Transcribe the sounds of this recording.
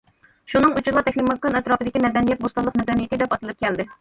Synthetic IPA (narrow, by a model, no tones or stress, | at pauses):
ʃunɨŋut͡ʃuɾlˠɑt̪ʰɛkʲlimɑkːɑnɛt̪ɾɑːpɨd̪ɪkʲimɛd̪ɛnijɛt̪̚bost̪ɑlˠːəqmɛd̪ɛnijet̪ɪd̪ɛpɑt̪ɨlˠɨp̚kʲʰɛld̪ɪ